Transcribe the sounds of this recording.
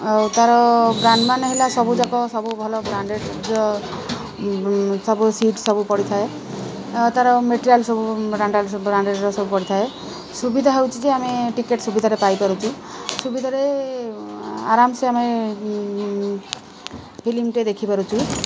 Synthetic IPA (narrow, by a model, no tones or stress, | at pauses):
ɦot̪aɾɔbɾaɳɖmanɦelasɔbud͡ʒakɔsɔbubʱɔlɔbɾaɳɖeɖd͡ʒɔ | sɔbusiʈsɔbupɔɽit̪ʰae | t̪aɾɔmeʈiɾialsɔbubɾaɳɖalbɾaɳɖeɾɾɔsɔbupɔɽit̪ʰae | subid̪ʱaɦewt͡ʃʰid͡ʒeameʈikeʈsubid̪ʱaɾepajkɔɾut͡ʃʰu | subid̪ʱaɾe | a̰ɾamseame | pʰilimʈed̪ekʰipaɾut͡ʃʰu